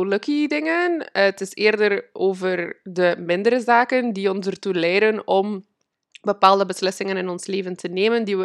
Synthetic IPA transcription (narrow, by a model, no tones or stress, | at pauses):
oləkidɪŋəntɪseːrdərʔoːvərdəmɪndəɾəzaːkəndiɔnsərtulɛjdənɔm | bəpaːlˠdəbəslɪsɪŋənɪnɔnsleːvəntəneːməndiə